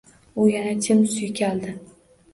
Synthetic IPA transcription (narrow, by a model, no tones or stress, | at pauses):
ʊjanat͡ʃʲʰɪmsʊjkʲʰald̪ɪ